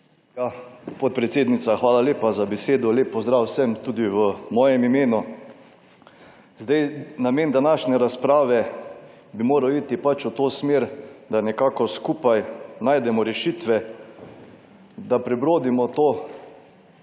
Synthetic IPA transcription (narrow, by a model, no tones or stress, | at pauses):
japɔt̪̚pɾɛt̪seːd̪nit̪saxʋaːlaleːpazabɛseːd̪ɔleːpːɔzd̪ɾaːwsɛmt̪uːd̪iʋəmɔːjɛmimeːnu | zd̪ajnameːnd̪anaːʃnɛɾaspɾaːʋɛ | bimoːɾawiːt̪ipat͡ʃut̪oːsmeːɾd̪anɛkaːkɔskupajnaːjd̪ɛmɔɾɛʃiːt̪ʋɛ | d̪apɾɛbɾoːd̪imɔt̪oː